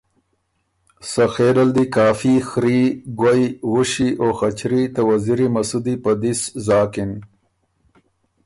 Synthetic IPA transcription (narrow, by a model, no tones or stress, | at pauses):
saxeɾald̪ikaːfixɾiɡajɣʊʃiʔoxat͡ʃɾit̪awaziɾimɐsud̪ipad̪iszɑːkɪn